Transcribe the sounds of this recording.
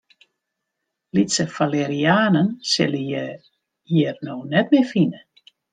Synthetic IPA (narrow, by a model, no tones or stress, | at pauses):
litsəfalɛɾiaːnənsɪləj | jirnoːnɛtmɪfinə